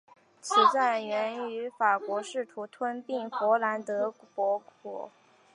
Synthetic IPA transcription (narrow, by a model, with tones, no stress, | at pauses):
t͡ɕʰi˨˧˩t͡sa˥˩nɥɛ˧˥ny˧˥fa˨˩kwɔ˧˥ʂɻ̩˥˩t̪ʰu˧˥t̪ʰwə˥npi˥˩ŋfwɔ˧˥la˧˥nt̪ɤ˧˥pwɔ˧˥kɔ̰˨˩˦